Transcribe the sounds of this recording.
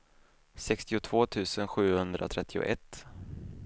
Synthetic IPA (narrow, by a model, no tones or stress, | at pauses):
sɛkst̪ɪʊt̪ʰv̥oːt̪ʰʉ̟ːsənɧʉ̟ːhɵnd̪ɾʔa̰t̪ʰɾɛt̪ʰːɪʊ̰ʔɛt̪ː